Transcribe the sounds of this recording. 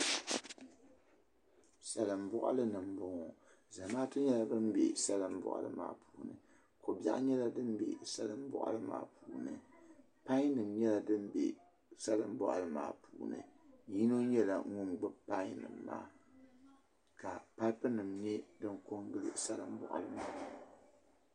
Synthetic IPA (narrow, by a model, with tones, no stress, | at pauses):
sa˨lɨ˨m̩bʊ˦ʔa̰˦lɨ˦nɨ˨mbʊ˨ŋɔ˨ | za˨maː˦tɨ˦ɲɛ˦la˨bɨ˦m̩˦bḛ˨sa˦lɨ˦m̩˦bʊ̰˨ʔa̰˨lɨ̰˦ma̰ː˨pʰuː˨nɨ̰˨ | ko˨ba̰˦ʔɲɛ˦la˦dɨ˦m˦bḛ˨sa˦lɨ˦m̩˦bʊ̰˦ʔa̰˦lɨ˦ma̰ː˨pʰuː˨nɨ˨ | pa˦nɨ˨mɲɛ˦la˨dɨ˦m˦bḛ˨ | sa˦lɨ˦m˦bɔ˦ʔa˨lɨ˦ma̰ː˨pʰuː˨nɨ̰˨ji˦no˦ɲɛ˦la˨ŋu˦nɡ͡bɨ˦pa˦ɪ˦nɨ̰˨mːa̰ː˦ | ka˨pa˦pɨ˦nɨ˨mɲɛ˦dɨ˦ŋko˦ŋɡɨ˦lɨ̰˨sa˦lɨ̰˨m̩˦bʊ̰˨ʔa̰˨lɨ˦maː˦pu˦˨˦